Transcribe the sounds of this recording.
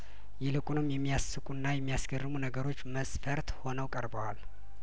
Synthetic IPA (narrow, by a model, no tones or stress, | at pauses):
jɛlɨkʼunɨmjɛmːijasːɨkʷʼunːajɛmːijasɡərːɨmunəɡəɾo̞t͡ʃːməsfəɾt̪ho̞nəwkʼəɾbəwal